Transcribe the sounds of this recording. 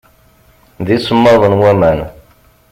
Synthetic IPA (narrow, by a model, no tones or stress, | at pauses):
ðisəmːɑðˤənwæmən